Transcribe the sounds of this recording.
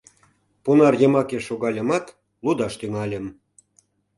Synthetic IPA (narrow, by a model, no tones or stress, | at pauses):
punɑrjəmɑkeʃoɣɑlʲə̆mɑt̪ | lud̪ɑʃt̪yŋɑlʲə̆m